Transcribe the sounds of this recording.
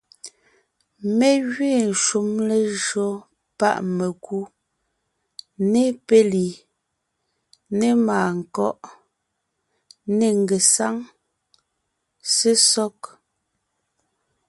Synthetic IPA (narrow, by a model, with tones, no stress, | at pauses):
me˦ɣɥeː˦˨ʃu˨˦mle˦ʒɰɔ˨˦ | pa̰˦˨ʔme˨ku˦ | ne˦pe˦li˨ | ne˦maː˨ŋ̩˨kɔ˦ʔ | ne˨ŋ˨ɡe˨sa˦ŋ | se˦sɔ˦k